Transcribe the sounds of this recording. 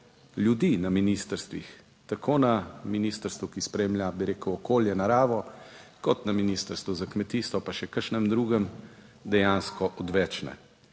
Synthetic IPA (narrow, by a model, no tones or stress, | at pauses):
ljud̪iːnaminist̪əɾst̪ʋḭx | t̪akʰoːnaminiːst̪əɾst̪ʋukispɾeːmʎʲjabiɾeːkəwɔkoːljɛnaɾaːʋɔkɔt̪naminist̪əɾst̪ʋuzakmɛt̪iːst̪ɔpaʃɛkəɾʃnɛmd̪ɾuːɡəm | d̪ɛjanskɔʔɔd̪ʋɛːt͡ʃnɛ̰